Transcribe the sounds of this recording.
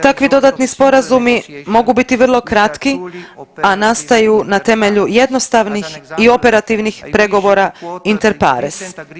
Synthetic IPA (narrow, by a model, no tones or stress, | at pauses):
t̪akʋid̪o̞d̪aːt̪nispo̞ɾazumimo̞ɡubit̪iʋr̩lˠo̞kɾat̪ki | anast̪ajunat̪e̞me̞ʎuje̞d̪no̞st̪aʋnixio̞pe̞ɾat̪iʋnixpɾe̞ɡo̞ʋo̞ɾaint̪e̞ɾpa̰ɾes